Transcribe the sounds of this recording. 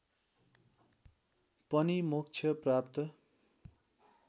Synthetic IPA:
pʌnimukt͡sʰjʌprap̚t̪ʌ

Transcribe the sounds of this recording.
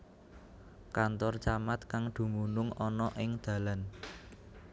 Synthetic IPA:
kant̪ɔrt͡ʃamat̪̚kaŋd̪̥ṳmunʊŋɔnɔʔɪŋd̪̥ä̤lan

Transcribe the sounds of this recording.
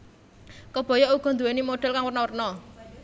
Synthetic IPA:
kəb̥ɔ̤jɔuɡ̥ɔ̤nd̪uwenimoɖ̥ɛ̤lkaŋwərnɔwərnɔ

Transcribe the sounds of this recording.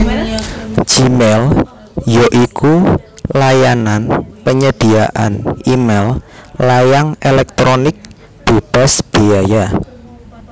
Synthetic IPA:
d͡ʒ̥imɛl | joʔikulajananpəɲəd̪̥i̤a̰ʔanimɛllajaŋelɛk̚t̪ɾonɪk̚ | d̪̥eb̥asb̥eaja

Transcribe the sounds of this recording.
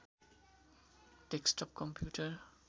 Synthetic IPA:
ʈeksʈɔp̚kɔ̃mpʰjuːʈəɾ

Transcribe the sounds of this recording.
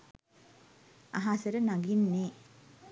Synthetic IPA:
a̰ɦasɐɾɐnaɡinːe

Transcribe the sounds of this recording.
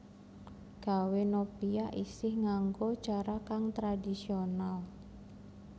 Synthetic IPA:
ɡ̥a̤wenopiaʔisɪhŋaŋɡot͡ʃaɾakaŋt̪ɾadisional

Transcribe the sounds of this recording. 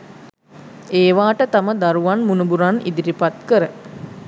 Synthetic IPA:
eːʋaːʈət̪aməd̪aɾuʋanmunubuɾanḭd̪iɾipat̪kəɾə

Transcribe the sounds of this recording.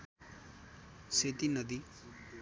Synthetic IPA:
set̪inʌd̪i

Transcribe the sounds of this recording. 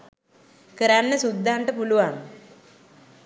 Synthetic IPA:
kəɾanːəsud̪ʱːaɳʈəpuluʋaŋ

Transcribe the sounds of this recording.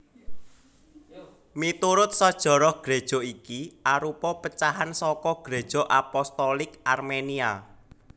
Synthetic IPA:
mit̪uɾʊt̪̚sɔd̥ʒ̥ɔ̤ɾɔhɡ̥ɾed̥ʒ̥ɔ̤ikiʔaɾupɔpət͡ʃaɦansɔkɔɡ̥ɾed̥ʒ̥ɔ̤ʔapɔst̪ɔlɪkʔarmenia

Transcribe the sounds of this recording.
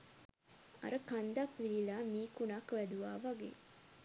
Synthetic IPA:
a̰ɾəkand̪akliːlaːmiːkunakʋæd̪uʋaːʋaɡḛː

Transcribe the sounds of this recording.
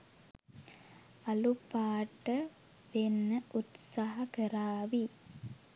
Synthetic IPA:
ɐlupaːʈə | ʋenːəʔut̪saɦɐkəɾaːʋi

